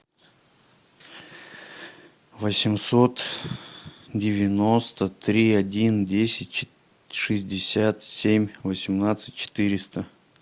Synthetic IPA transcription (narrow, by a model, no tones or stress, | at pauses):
vəsʲɪmsot̪ | dʲɪvʲɪnost̪ət̪ɾʲiɐdʲindʲesʲɪtʲ | ʂɨzʲdʲɪsʲat̪sʲemʲvəsʲɪmnat̪sɨ̥t̚ʲt͡ɕɪ̥t̪ɨɾʲɪst̪ə